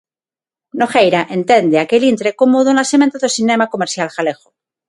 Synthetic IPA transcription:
noxejɾaʔent̪end̪eakelint̪ɾekomoðonasemẽnt̪aðosinemakomeɾθjalxalexo

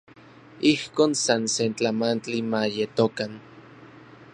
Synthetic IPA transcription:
ihkoːnsansent͡ɬamant͡ɬimajet̪okan

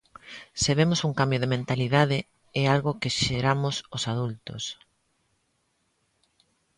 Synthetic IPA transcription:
seβemosuŋkambjoð̞emẽnt̪aliðað̞ɪ | ɛalɣokɪʃeɾamʊsosað̞ult̪ʊ̰s

